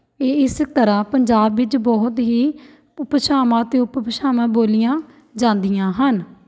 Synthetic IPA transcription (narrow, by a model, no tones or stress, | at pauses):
eːɪst̪əɾãːpəɲd͡ʒaːbʋɪt͡ʃbɔɦʊt̪ɦiː | pʃaːmãːt̪ẽːʊppəʃaːmãːboːlɪjãː | d͡ʒãːnd̪ɪjãːɦən